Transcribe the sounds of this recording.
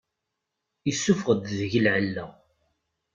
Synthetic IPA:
isːufʁəd̪ðəʝəlʕəlːə

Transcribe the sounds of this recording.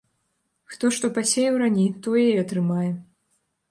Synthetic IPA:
xt̪ɔʂt̪ɔpasʲejɛwɾanʲit̪ɔjɛiɐt̪ɾɨmajɛ

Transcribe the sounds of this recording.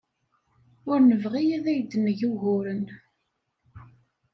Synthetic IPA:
ʊɾnəvʁijæðæjd̪ənəʝuɦʊɾən

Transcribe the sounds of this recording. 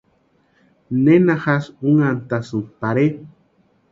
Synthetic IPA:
nenaxasuŋant̪asɨmpaɾe

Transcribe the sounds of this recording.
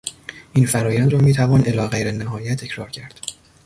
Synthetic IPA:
ʔiːnfæɾɒːjænd̪ɾɒːmiːt̪ʰævɒːnʔe̞lɒːɣejɾenæɦɒːjæt̪ʰːecʰɾɒːɾcʰæɾd̪̥

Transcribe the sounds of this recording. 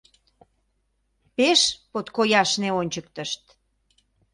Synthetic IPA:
peʃpot̪kojɑʃneonʲt͡ɕək̚t̪əʃt̪

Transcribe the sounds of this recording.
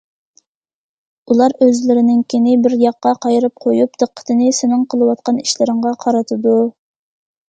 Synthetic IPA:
ulˠɑɾøzlɪɾɪnɪŋkʲʰinɪbɪɾjɑqːɑqʰɑjɾɨp̚qʰojup̚d̪̥ɨqʰːə̥t̪ʰɪnɪsɪnɪŋqʰəlˠɨwɑt̪̚qʰɑniʃlɪɾɪŋʁɑqʰɑɾɨt̪ʰɨd̪u

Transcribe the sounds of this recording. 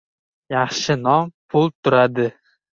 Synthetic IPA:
jɑχʃɪnɒmpʰʊlˠt̪ʰʊɾad̪ɪ

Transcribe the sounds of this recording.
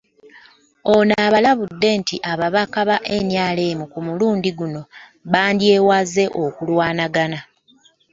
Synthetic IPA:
o̞naːβalaβudːe̞ntiʔaβaβakaβaʔe̞njaːle̞ːmukumuluːndiɡuno̞ | βaːndje̞ːwaze̞ʔo̞kulwaːnaɡana

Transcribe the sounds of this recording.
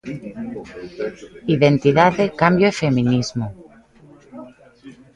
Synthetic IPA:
iðent̪iðaðekambjoefemĩnizmo

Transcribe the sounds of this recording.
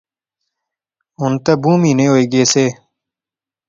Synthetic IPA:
ʊnt̪abuːmiːneːɦoːeːɡeːseː

